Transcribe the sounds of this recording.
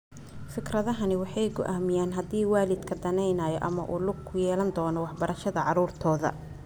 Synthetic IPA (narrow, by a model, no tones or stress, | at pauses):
fɪkrɐðɐɦɐnɪwɑħɑjɡɔ̰ʔaːmɪjaːnɦɐd̪iːwaːlɪd̪kʰɐd̪ɐnɛjnaːjɔ̰ʔɐ̰mɐ̰ʔuːlʊɡkʰʊjɛːlɐnd̪ɔːnɔwɑħbɐɾʔɐʃɐðɐʕɑɾuːrt̪ʰɔːðɐ̰